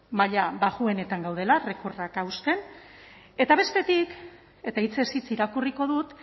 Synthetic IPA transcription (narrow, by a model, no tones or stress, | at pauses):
maʎabaɣue̞ne̞t̪aŋɡawð̞e̞lare̞korakawst̪e̞n | e̞t̪aβ̞e̞st̪e̞t̪ik | e̞t̪ait͡se̞sit͡siɾakuriko̞ðut̪